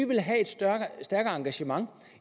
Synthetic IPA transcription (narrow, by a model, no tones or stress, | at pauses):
iʋe̝lɦæe̝d̥ssd̥æɐɡ̥ɐɑ̈ŋɡ̥æɕəmɑ̈ŋ